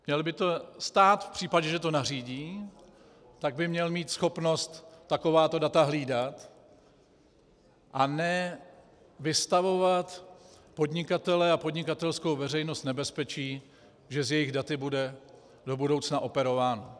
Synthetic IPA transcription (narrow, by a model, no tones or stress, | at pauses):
mɲɛlbɪt̪o̞st̪aːt̪fpr̥iːpaɟɛʒɛt̪o̞nariːɟiː | t̪aɡ̚bɪmɲɛlmiːt̪sxo̞pno̞st̪ːako̞vaːt̪o̞dat̪aɦliːdat̪ | ʔanɛ | vɪst̪avo̞vat̪ | po̞dɲɪkat̪ɛlɛapo̞dɲɪkat̪ɛlskowvɛrɛjno̞st̪nɛbɛspɛt͡ʃiː | ʒɛzjɛjɪɣdat̪ɪbudɛ | do̞budo̞wt͡snaʔo̞pɛɾo̞vaːno